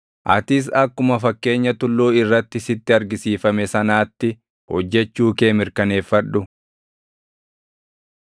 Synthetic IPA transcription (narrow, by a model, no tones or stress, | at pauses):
ʔɐ̰t̪ɪs̬ɐkːʊmɐfɐkːe̞ːɲːɐt̪ʊlːoːɪrːɐt̪ːɪsɪt̪ːɪɐɾɡɪsiːfɐmɛsɐnaːt̪ːɪ | hɔd͡ʒːɛt͡ʃːuːke̞ːmɪɾkɐne̞ːfːɐᶑɗʊ